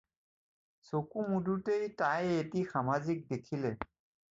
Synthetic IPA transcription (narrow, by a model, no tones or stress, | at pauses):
sokumudutejtajetixamazik̚dekʰilɛ